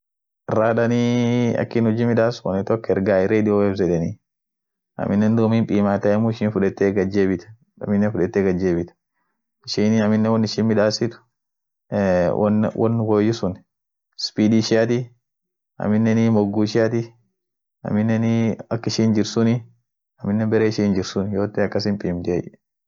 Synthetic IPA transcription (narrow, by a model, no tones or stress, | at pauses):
raːd̪ɐniɐ̰kːɪnhɔd͡ʒiːmɪᶑaːsɔnɪt̪ɔkːɛɾɡaːɪɾeːd̪ɪoɛbzɛᶑ̪ɛni | ɐ̰mɪnːɛnd̪oːmiːmpʼiːmaːt̪ɐɛmʊɪʃiːnfʊᶑɛt̪ːeːɡɐd͡ʒːeːbɪt̪ɐ̥ | ɐ̰mɪnːɛfʊᶑɛt̪ːeɡɐd͡ʒːeːbɪt̪ɐ̥ | ɪʃiːnɐmɪnːɛwɔnːɪʃiːmɪᶑaːsɪt̪ʊ̥ | wɐ̰nwɐ̰nːɡojɪsʊn | spiːd̪iːʃɪjat̪i | ʔɐ̰mɪnːɛnimɔɡːuʃɪjat̪̬i | ɐ̰mɪnːɛniɐkːɪʃiːnd͡ʒɪɾsʊnɪ | ɐmɪnːɛbɛɾeːɪʃiːnd͡ʒɪɾsʊnjoːt̪ːɛɐkːɐsɪmpʼiːmt̪ɪɛ̰ʔ